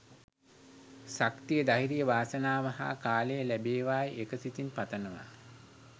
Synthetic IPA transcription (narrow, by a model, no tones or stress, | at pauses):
sakt̪ijəd̪aɦiɾijəʋaːsənaːʋaɦa̰ːkaːlejəlæbeːʋaːjʔekəsit̪inpat̪ənəʋa̰